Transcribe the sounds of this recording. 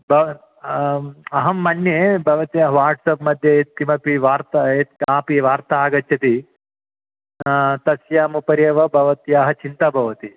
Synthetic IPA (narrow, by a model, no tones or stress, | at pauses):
bʱɐ | ɐɦɐmːɐnːjebʱɐʋɐt̪jaːɦɐʋaːɾʈsɐpmɐd̪ʱjɐt̪ːimɐpiʋaːɾt̪ɐet̪aːpiʋaːɾt̪ɐaːɡɐt̪jɐt̪i | t̪ɐsjaːmupɐɾjɐʋɐbʱɐʋɐt̪jaːɦɐt͡ʃint̪ɐbʱɐʋɐt̪i